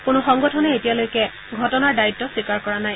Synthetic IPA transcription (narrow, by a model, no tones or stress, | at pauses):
kʊnʊxɔŋɡɔtʰɔnɛetijalojkɛ | ɡʱɔtɔnaɹdaitːɔswikaɹkɔɹanaj